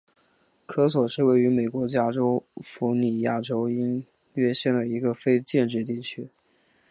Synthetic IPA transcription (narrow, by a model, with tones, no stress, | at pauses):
kʰɤ˥swɔ˨˩ʂɻ̩˥˧we˥˩ɪy˧˥me˨˩ɪkwɔ˧˥t͡ɕja˥ʈ͡ʂo˥ʊfu˧˥ni˨˩ja˥˩ʈ͡ʂo˥ʊi˥n | ɥɛ˥ɕjɛ˥˩nd̪ə˩i˧˥ɡə˧fe˥ɪt͡ɕjɛ˥˧nʈ͡ʂɻ̩˥˧t̪̬i˥˩t͡ɕʰy˥